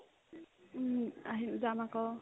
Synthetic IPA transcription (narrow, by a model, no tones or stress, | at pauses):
aɦiuzamakɔ